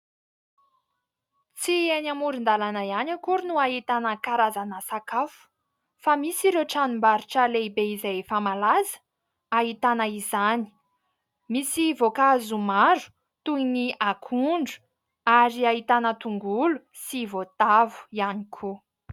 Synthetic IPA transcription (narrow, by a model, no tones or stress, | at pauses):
t͡sienamuɾund̪alanəianakuɾnuaɦit̪anəkaɾazanəsakafu̥ | famisiɾewʈ͡ʂanumbaɾuʈ͡ʂəleibeizafamalazə̥ | aɦit̪anəizani̥ | misivokazumaɾu̥ | t̪uiniʔakʰuɳɖ͡ʐu̥ | aɾiaɦit̪anət̪uŋɡulu | sivot̪avu̥ianikʰu